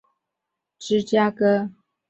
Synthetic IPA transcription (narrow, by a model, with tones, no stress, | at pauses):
ʈ͡ʂɻ̩˥t͡ɕja˥kɤ˥